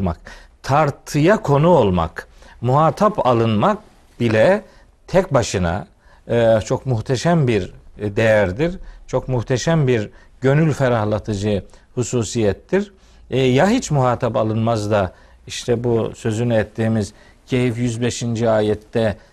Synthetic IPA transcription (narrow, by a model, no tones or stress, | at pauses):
ma̰kt̪ʰaɾt̪ʰɯjakʰo̞nuo̞lˠma̰kmuhaːt̪ʰapʰalˠɯnmak̚ | b̥ilʲɛ | t̪ʰɛcbaʃɯna̰ | t͡ʃʰo̞kmuht̪ʰɛʃæmbiɾd̪ejæɾd̪iɾt͡ʃʰo̞kmuht̪ʰɛʃæmbiɾ | ɟø̞nylʲfɛɾahlˠat̪ʰɯd͡ʒɯhusuːsijɛt̪ːiɾ | jaɦit͡ʃmuhaːt̪ʰapalˠɯnmazd̪a | iʃt̪ʰɛbusø̞zynyɛt̪ʰːiːmiz | cʰe̞jifjyzbeʃind͡ʒiaːjɛt̪ːɛ